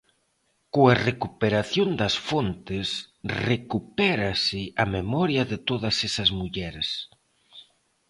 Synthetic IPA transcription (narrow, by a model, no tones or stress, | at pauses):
koɐrekupeɾaθjond̪ɐsfont̪ɪsrekupɛɾɐsɪʔɐmemɔɾjɐðɪt̪oðɐsɛsɐzmuʎɛɾs